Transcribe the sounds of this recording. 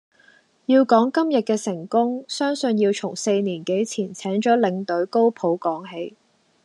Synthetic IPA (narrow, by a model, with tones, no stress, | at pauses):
jiː˧wkɔː˨˥ŋkɐ˥mjɐ˨t̚kɛː˧sɪ˨˩ŋkʊ˥ŋsœː˥ŋsɵ˧njiː˧wt͡sʰʊ˨˩ŋse˧jniː˨˩nke˨˥jt͡sʰiː˨˩nt͡sʰɛː˨˥ŋt͡ʃɔː˨˥lɪ˨˧ŋt̪ɵ˨˥ɥko˥wpʰo˨˥wkɔː˨˥ŋɦe˧j